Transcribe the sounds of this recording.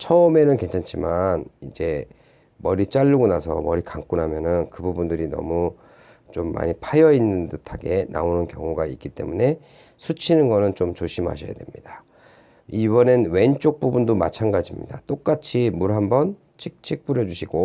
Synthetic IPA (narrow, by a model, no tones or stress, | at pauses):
t͡ɕʰʌʌme̞nɯnkwe̞nt͡ɕʰant͡ɕʰimanid͡ʑe̞ | mʌɾit͡ɕ͈aʎːuɡonasʰʌ̰mʌɾikaŋk͈unɦamjʌnɯnkɯbubundɯɾinʌ̰mu | t͡ɕomːa̰ɲipʰajʌinːɯndɯtʰaɡe̞na̰onɯnkjʌ̰ŋuɡaik͈it͈e̞̰mune̞ | sʰut͡ɕʰinɯnɡʌnɯnt͡ɕomt͡ɕoɕʰimɦa̰ɕʰʌja̰demɲida | ibʌnenwe̞nt͡ɕ͈ok̚p͈ubundoma̰t͡ɕʰanɡad͡ʑimɲḭdat͈ok͈at͡ɕʰimuɾɦambʌn | t͡ɕʰik̚t͡ɕʰik̚p͈uɾjʌd͡ʑuɕʰiɡ̥o